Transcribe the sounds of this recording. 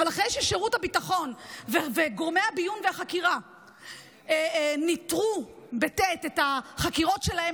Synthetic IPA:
valaχʁejʃɛʃeʁuthabitaχo̞nveveɡoʁmejhabijunveaχakiʁa | nitʁubetetetaχakiʁo̞tʃelahe

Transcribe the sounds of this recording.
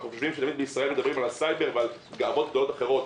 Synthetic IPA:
nuχoʃvimʃet̪amid̪̚beisʁae̞lmed̪abʁimalasajbe̞ʁveal | ɡaːbo̞t̪̚doot̪aχeʁo̞t̪

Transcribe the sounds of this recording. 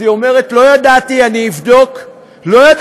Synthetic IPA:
io̞me̞ʁe̞tlo̞jadatianiːvdo̞k | lo̞ja

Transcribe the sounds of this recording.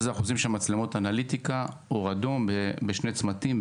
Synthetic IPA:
zeaχuzimʃemat͡slemo̞tanalit̪ika | oʁad̪ombebeʃnet͡smat̪im

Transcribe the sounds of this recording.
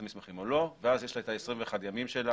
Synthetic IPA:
mismeχimolo̞veazjeʃlaet̪aesʁiɱveeχad̪jamimʃela

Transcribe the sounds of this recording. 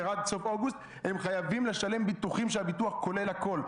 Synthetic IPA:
ʁad̪̚so̞foɡust̪ | he̞mχajavimle̞ʃale̞mbit̪uχimʃeabituaχko̞le̞lako̞l

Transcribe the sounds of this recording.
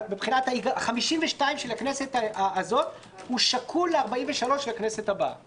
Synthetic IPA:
bepχinathaiɡaaχamiʃimveʃtaimʃelakne̞se̞t̪aaːzo̞t | huʃakʰuleaʁbaimveʃalo̞ʃelakne̞se̞t̪haba̰

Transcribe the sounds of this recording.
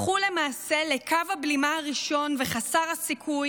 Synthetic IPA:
χule̞maːse̞le̞kavablimaaʁiʃo̞nveχasaʁhasikʰuj

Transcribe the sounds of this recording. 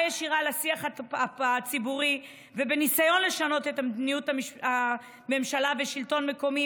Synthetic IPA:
jeʃiʁalasiaχaaat͡sibuʁi | vebe̞nisajo̞nle̞ʃano̞te̞tamd̪nijutama | me̞mʃalaveʃilto̞nme̞ko̞mi

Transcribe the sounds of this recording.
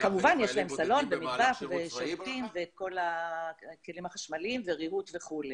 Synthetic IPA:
kamuvanjeʃlaemsalo̞nbemid̪baχveʃalut̪imveko̞la | kelimaχaʃmalimveʁiut̪ve̞χule

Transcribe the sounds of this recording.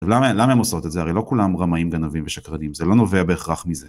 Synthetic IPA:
vlamalamaemoso̞t̪etzeaʁejlo̞kulamʁamaimɡanaviɱveʃakʁad̪imzelo̞no̞ve̞abe̞ːχʁaχmize

